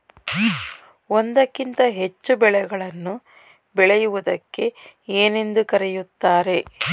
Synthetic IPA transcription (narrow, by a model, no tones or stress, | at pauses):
ond̪ɐkːint̪ɐɦe̞t͡ʃːubɛɭɛɡɐɭɐnːu | bɛɭɛjuʋud̪ɐkːe̞eːne̞nd̪ukɐɾɛjut̪ːaːɾe̞